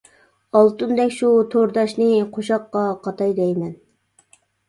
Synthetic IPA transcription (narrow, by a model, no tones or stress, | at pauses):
ɑlˠt̪und̪ɛkʲʃut̪ʰoɾd̪ɑʃnɨqʰoʃɑqːɑqʰɑt̪ʰɑjd̪ɛjmɛn